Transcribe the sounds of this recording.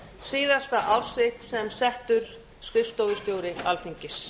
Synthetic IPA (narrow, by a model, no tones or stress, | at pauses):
siːðast̪aʔawɾ̥sɪht̪sɛmsɛht̪ʏɾ̥ | skɾɪfst̪owvʏst̪joːwɾɪalθiɲcɪs